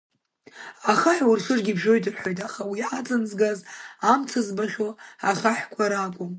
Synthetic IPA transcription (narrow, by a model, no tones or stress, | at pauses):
aχaħᶣwurɬɨrɡʲibʒo̞jtʼɨrħʷᶣojtʼaχawiʕat͡sʼɨnzɡazamt͡sʰazbaχʲoaχaħkʷʰaɾakʷʼʊm